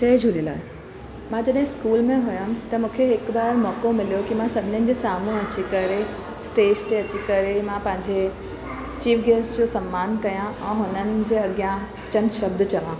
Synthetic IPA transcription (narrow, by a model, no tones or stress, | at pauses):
t͡ɕɐːd͡ʑʱulila̰ːe | mãd͡ʑɐɗɦɪ̃skuːlmẽɦʊjʊ̃t̪ɐmũːkʰeɦɪkbaːɾmɔːkomɪlijokimãsɐbʱɪnənɪ̆d͡ʑeːsaːmũɐt͡ɕikɐɾe | sʈeːd͡ʑt̪eɐt͡ɕikɐɾemãpɐ̃ɦɪ̃ɲd͡ʑe | t͡ɕiːfɡeːsʈd͡ʑosɐmːaːnkɐjãʔɛ̃ːɦʊnənɪ̆d͡ʑeːɐɡjã | t͡ɕɐnʃɐbd̪t͡ɕɐʋã